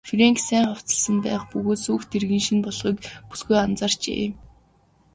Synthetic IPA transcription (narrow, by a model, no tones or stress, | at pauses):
freŋksæːɴχaw̥t͡sə̆ɮsə̆mpæ̰ːχpɵɣoːt̪suːxt̪ʰerɣĭːnŋʃinpɔɮχiːkpu̥sɡujant͡saːr̥t͡ɕḛː